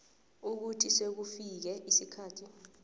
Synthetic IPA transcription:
uk̬utʰisek̬ufik̬ɛʔisikʰaːtʰi

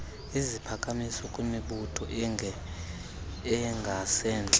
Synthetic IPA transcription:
izipʰakʼamisɔkʼumeɓutʰɔ | ɛŋɡʱasɛːnt͡ɬʼɛ

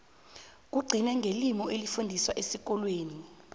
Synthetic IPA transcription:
k̬uɡ͡ǀʱinɛŋɡʱelimɔelifundʱiswaʔesik̬ɔlweːni

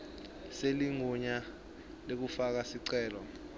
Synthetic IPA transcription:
seliŋuɲa | lek̬ufak̬asiǀɛːlɔ

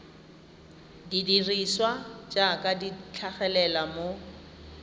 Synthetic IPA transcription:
didiriswad͡ʒakʼadit͡ɬʰaχɛlɛlamo

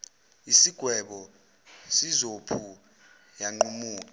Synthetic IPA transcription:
isiɡ̥ʱwɛɓɔ | sizopʰu | jaŋ͡ǃumuːkʼ

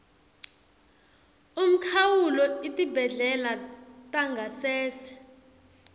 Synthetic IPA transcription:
um̩kʰawulɔitʼibʱɛɮɛlatʼaŋɡʱasɛːsɛ̥

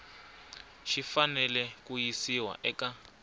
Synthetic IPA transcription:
ʃifanɛlɛkujisiwa̰ʔɛka

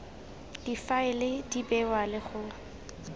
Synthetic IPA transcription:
d̥ifaɪlɪdibɛwalɪχʊ

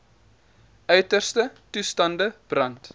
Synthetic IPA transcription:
ʔœɥtərstətustɐndəb̥rɐnt

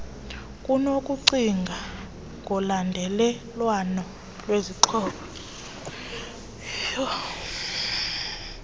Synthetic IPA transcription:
kʼunokʼuǀiŋɡʱa | ŋʱɔlandʱɛlɛ | lwanɔ | lweziǃʰɔːɓɔ

